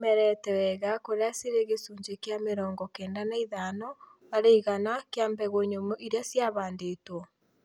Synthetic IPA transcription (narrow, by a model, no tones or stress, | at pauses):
mɛɾɛtɛwɛɣakoɾeaseɾeɣesuːɲd͡ʒekeameɾɔːŋɡɔkɛːndanaiðanɔ | βaɾeiɣanakeaːmbɛɣoɲomɔʔiɾeasjaβaːndeːtwɔ